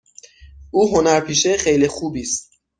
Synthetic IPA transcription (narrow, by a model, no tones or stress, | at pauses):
ʔuːɦo̞næɾpʰiːʃeχejlixuːbiːst̪̚